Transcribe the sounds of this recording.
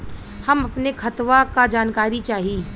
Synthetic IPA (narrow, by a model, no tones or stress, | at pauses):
hɐmɐpnekʰɐt̪ʋakad͡ʒaːnkaːɾit͡ʃaːɦiː